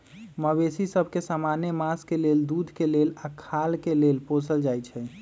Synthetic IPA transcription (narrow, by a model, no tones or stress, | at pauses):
məbesisəbʱkesamanjemaskeleld̪ud̪ʱkelelakʰalkelelposəld͡ʒajt͡ʃʰɛ